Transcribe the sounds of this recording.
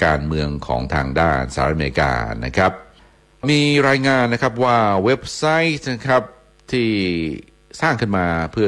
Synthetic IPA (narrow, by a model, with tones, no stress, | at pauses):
kaː˧nmɯ˧əŋkʰɔ̰ː˩˦ŋt̪ʰaː˧ŋdaː˥˩nsaː˧˦t̪̚ʔa˧me˧ɾi˧ka̰ː˧na̰˦˥kʰɾa˦˥p̚ | miː˧ɾaː˧jŋaː˧nːa˥kʰa˦˥p̬̚waː˥˩we˦˥p̚sa˦˥jt̪̚na˦˥kʰɾa˦˥p̚ | t̪ʰiː˥˩ | saː˥˩ŋkʰɯ˥˩nmaː˧pʰɯ˥˩